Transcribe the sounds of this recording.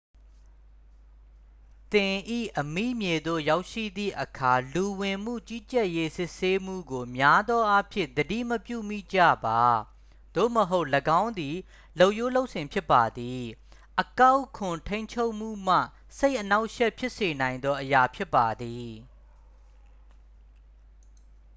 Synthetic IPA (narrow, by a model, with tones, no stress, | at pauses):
t̪ɪ̃˨ʔḭ˦˨ʔəmḭ˦˨mje˨d̪o̰˦˨ja˦ʊʔʃḭ˦˨d̪ðḭ˦˨ʔəkʰa˨lu˨wɪ̃˨m̥ṵ˦˨t͡ɕi˦t͡ɕɛ˦˨ʔje˦sɪ˦ʔse˦m̥ṵ˦˨ɡo˨mja˦d̪ðwɔ˦ʔa˦pʰjɪ̰̃˦˨d̪ədḭ˦˨məpjṵ˦˨mḭ˦˨d͡ʑä̰˦˨ba˨ | d̪̥o̰˦˨məɦo˦ʊʔləɡã˦ʊ̃nd̪i˨ | lo˦˨ʊʔjo˦lo˦ʊʔsɪ̃˨mpʰjɪ˦pːa˨d̪i˨ | ʔəka˦ʊkʰʊ̃˨tʰẽ˦ɪ̃ɲt͡ɕʰo˦ʊʔm̥ṵ˦˨m̥ä̰˦˨ | se˦ɪʔːəna˦ʊʔʃɛ˦˨ʔpʰjɪ˦ʔse˨nã˨ɪ̃nd̪ɔ˦ʔəja˨pʰjɪ˦pːa˨d̪i˨